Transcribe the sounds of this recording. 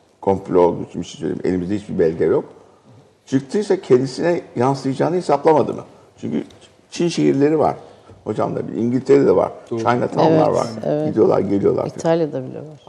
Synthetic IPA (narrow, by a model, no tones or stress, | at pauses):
kʰo̞mplʲolˠd̪ut͡ʃʰimiʃinsøjlʲḛimːelʲimizd̪ɛɦit͡ʃbibɛlʲɟɛjo̞k | t͡ʃʰɯk̚t̪ʰɯjsacʰɛnd̪isinɛjanslˠɯjad͡ʒaːnɯhisaplˠamad̪ɯ̰mɯ̰ | t͡ʃʰyɲcʰy̰ | t͡ʃʰinʃe̞ɦiɾlʲe̞ɾiva̰ɾ̥ | ho̞d͡ʒa̰mlˠa̰bḭiɲɟilʲt̪ʰeɾed̪ɛva̰ɾ̥t͡ʃʰajnat̪ʰamlˠa̰ɾva̰ɾɛ̰vɟid̪ijo̞lˠa̰ɾɟe̞lʲijo̞lˠa̰ɾit̪ʰalʲjad̪abilʲḭo